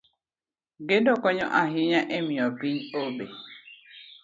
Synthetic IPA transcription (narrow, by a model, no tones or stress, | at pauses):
ɡedɔkɔɲɔ̰ʔaɦiɲaʔemĩɔpiɲoɓe